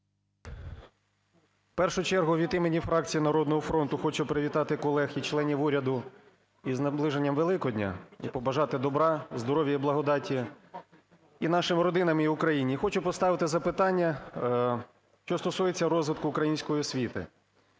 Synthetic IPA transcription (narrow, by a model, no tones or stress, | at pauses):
pɛrʃʊt͡ʃɛrɦʊʋʲid̪imenʲːifɾɑk̚t͡sʲijinɐɾɔd̪nɔɦɔfɾɔnt̪ʊxɔt͡ʃʊpɾɪʋʲit̪ɑt̪ɪkɔlˠɛxit͡ʃlˠɛnʲiʋuɾʲɐd̪ʊ | iznɐblˠɪʒenʲːɐmʋelˠɪkɔdʲnʲa̰ipɔbɐʒɑt̪ɪd̪ɔbɾɑzd̪ɔɾɔʋʲjɐiblˠɐɦɔd̪ɑtʲi | inɑʃɪmɾɔd̪ɪnɐmiʊkɾɐjinʲixɔt͡ʃʊpɔst̪ɑʋɪt̪ɪzɐpɪt̪ɑnʲːɐ | ʃt͡ʃɔst̪ɔsujet͡sʲːɐɾɔzʋɪt̪kʊːkɾɐjinʲsʲkɔjiɔsʲʋʲit̪ɪ̰